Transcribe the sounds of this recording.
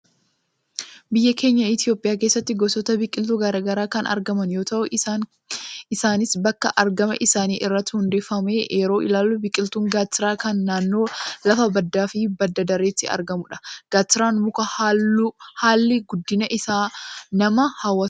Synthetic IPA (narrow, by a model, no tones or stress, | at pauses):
bɪjːɐke̞ːɲːɐɪt̪ɪjo̞ːpʼɪjaːkeːsːɐt̪ːɪɡɔsɔt̪ɐbɪkʼɪlt̪uɡɐɾaːɡɐɾaːkɐnʔɐ̰ɾɡɐmɐnjo̞ːt̪ɐʔʊʔ | ɪsaːnɪsbɐkːɐʔɐɾɡɐmɐʔɪsaːniːʔɪrːɐt̪ːɪhʊnd̪ɛfːɐmeːʔeːɾo̞ːʔɪ̰laːlːʊbɪkʼːɪlt̪uːŋɡaːt̪ːɪɾaːkɐnːaːnːo̞ːlɐfɐbɐd̪ːaːfɪbɐd̪ːɐd̪ɐɾeːt̪ːɪɐ̰ɾɡɐmʊᶑɐ̥ɡ̥aːt̪ːɪɾaːnmʊkɐ | haːlːɪɡʊd̪ːɪnɐʔɪsaːnɐmɐhawːɐ